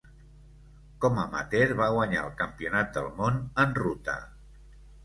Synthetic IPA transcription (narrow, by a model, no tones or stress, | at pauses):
kɔməmə̰t̪eɾβaɣ̞waɲa̰əlˠkəmpiunat̪̚d̪əlˠmonənrut̪ə̰